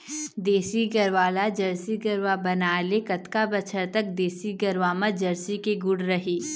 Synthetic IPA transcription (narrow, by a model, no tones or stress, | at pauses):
d̪eːsiɡɐɾʋaːlad͡ʒɐɾsiɡɐɾʋabɐnaːlekɐt̪kabɐt͡ʃʰəɾt̪ɐk̚d̪eːsiɡɐɾʋaːmãd͡ʒɐɾsikeɡʊɽɾɐɦeː